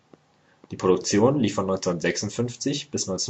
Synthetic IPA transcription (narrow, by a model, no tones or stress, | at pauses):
d̥iːpʰʁ̥odʊk̚t͡sjoːnliːfɔnːɔʏnt͡senntz̥ɛksʊntfʏnft͡sɪçb̥ɪsnɔɪnt͡se